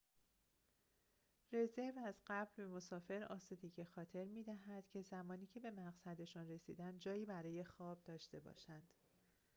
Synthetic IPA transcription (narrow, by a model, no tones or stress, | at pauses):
re̞zevæzɢæblbemo̞sɒːfe̞ɾɒ̰ːsud̪eɟexɒːt̪ʰe̞ɾmiːd̪æɦæd̪̥cʰe̞zæmɒːniːcʰe̞be̞mæʁsæd̪e̞ʃunre̞sḭːd̪ænd̪d͡ʒɒːjiːbæɾɒːje̞xɒːb̚d̪ɒːʃt̪e̞bɒ̰ʃænd̪̥